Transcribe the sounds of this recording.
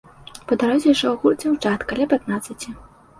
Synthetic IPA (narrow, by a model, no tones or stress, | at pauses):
pɐd̪aɾuzʲjʂɔɣurt͡sʲɛwt͡ʂat̪kalʲapʲat̪nat̪sːɐt͡sʲi